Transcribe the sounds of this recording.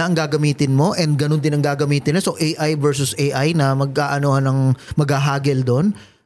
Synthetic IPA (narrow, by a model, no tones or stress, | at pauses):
ɐʔɐŋɡaːɡɐmiːt̪ɪnmo̞ʔɛnd̪̚ɡɐnond̪ɪnɐŋɡaːɡɐmiːt̪ɪnlɐsoʔejʔajvɛɹsʊsʔejʔajnɐmɐɡ̚ʔaːʔɐnohɐnɐŋmɐɡhaɦaːɡɛld̪o̞n